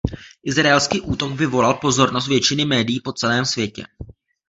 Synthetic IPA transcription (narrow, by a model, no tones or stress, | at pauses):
ʔɪzɾaɛlskiːʔuːt̪o̞ɡvɪvo̞lalpo̞zo̞ɾnos̬t̪vjɛt͡ʃɪnɪmɛːdɪjiːpo̞t͡sɛlɛːmsvjɛcɛ̰